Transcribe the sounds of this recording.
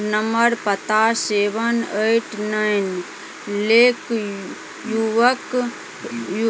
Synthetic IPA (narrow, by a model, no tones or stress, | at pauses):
nəməɾpət̪aseːbəneʈnain | leːk | juʋək | j